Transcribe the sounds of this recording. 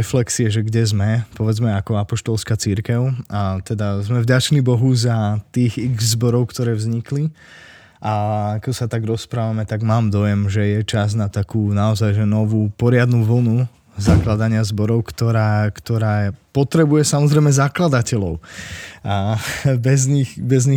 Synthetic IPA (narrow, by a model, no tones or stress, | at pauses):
flɛksiɛʒɛɡɟɛzmɛpɔʋɛd͡zmɛakɔapɔʃt̪ɔlskat͡siɾkɛʊat̪ɛd̪azmɛvɟat͡ʃnibɔɦuzat̪iːɣiɣzbɔɾɔʊkt̪ɔɾɛːvzɲikli | ʔaakɔsat̪aɡɾɔspɾaːʋamɛt̪aɡmaːmd̪ɔjɛmʒɛjɛt͡ʃaz̬nat̪akuːnaɔzajʒɛnɔʋuːpɔɾɪad̪nuʋl̩nu | zaklad̪aɲɪazbɔɾɔʊkt̪ɔɾaːkt̪ɔɾaːpɔt̪ɾɛbujɛsamɔzɾɛjmɛzaklad̪acɛlɔʊabɛzɲixbɛzɲi